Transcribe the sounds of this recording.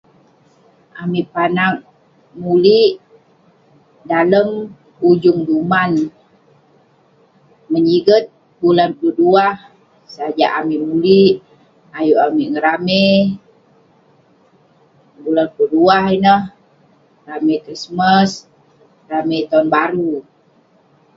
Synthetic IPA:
ʔamipanaŋ̚ | muliʔ | daləm | ud͡ʒʊŋduman | məɲiɡət̪̚ | bulanpuluduah | sd͡ʒaʔamimuliʔ | ajuʔamiʔŋəɾame | bulanpuluduahinəh | ramekɾisməs | ramet̪ɔnbaɾu

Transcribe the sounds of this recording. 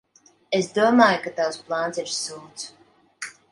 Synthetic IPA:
esd̪uɔmaːjukat̪awsplˠant̪siɾsuːt̪s

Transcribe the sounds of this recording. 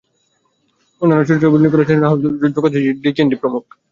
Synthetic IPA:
onːanːoʃ̬uɾt̪ɾebulnikoɾet͡ɕʰenaɦod͡ʑud̪ːokot̪ʰiiɖikenɖipɾomuk̚

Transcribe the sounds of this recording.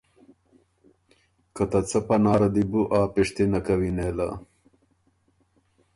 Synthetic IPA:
kɐt̪ɐt͡sɐpɐnɑːɾɐd̪ibuʔaːpiʂt̪inakɐwineːla̰

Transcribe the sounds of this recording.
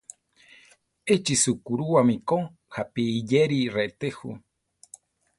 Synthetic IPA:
et͡ʃisukuɾuwamĩkoŋ | hapiːjeɾiret̪ehṵ

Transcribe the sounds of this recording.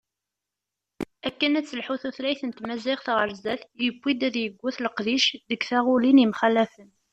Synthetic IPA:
ækːənæt͡sːəlħuθuθlæjθənt̪mæziʁθʁəɾzæθjəɡʷːid̪æðjəɡʷːʊθləqðiʃðəɡθaʁʊlinimχælːæfən

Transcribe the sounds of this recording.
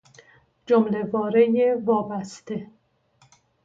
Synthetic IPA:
d͡ʒomle̞vɒːɾejevɒːbæst̪e̞

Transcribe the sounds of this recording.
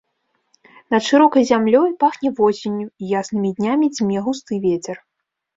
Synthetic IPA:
nɐt̪ʂɨɾɔkɐjzʲamlʲɔjpaxnʲɛvɔsʲenʲːuijasnɨmʲid̪ʲnʲamʲid͡zʲmʲɛɣust̪ɨvʲet͡sʲɛr

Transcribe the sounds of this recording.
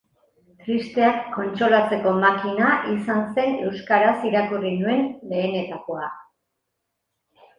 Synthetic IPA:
t̪ɾist̪e̞akːo̞nt͡ʃo̞lat͡se̞ko̞makinaʔisanse̞ne̞wskaɾasiɾakurinue̞nbe̞ːne̞t̪ako̞a

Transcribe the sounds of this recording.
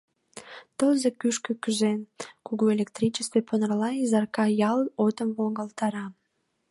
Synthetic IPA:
t̪əlze̽kyʃkøkyʒenkuɣuelʲek̚t̪rʲit͡ɕəst̪veponrlɑizɑrkɑjɑlot̪əmβoŋɡəlt̪ɑɾɑ

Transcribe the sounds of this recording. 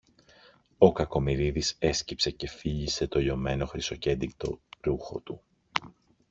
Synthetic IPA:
o̞kɐko̞miɾiðise̞scipse̞ce̞fiʎise̞t̪o̞jo̞me̞no̞xɾiso̞ce̞d̪ik̚t̪o̞̰ɾuxo̞t̪u

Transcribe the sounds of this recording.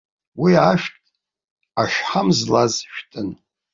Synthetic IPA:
wiaʃtʼ | aʃᶣħamzlazʃᶣtʰʼɨn

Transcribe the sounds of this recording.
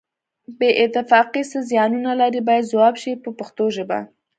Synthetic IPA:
beʔɪt̪ɪfɑqisəzjɑnunalaɾibɑjad̪zawɑbʃipəpaxt̪oʒəba̰

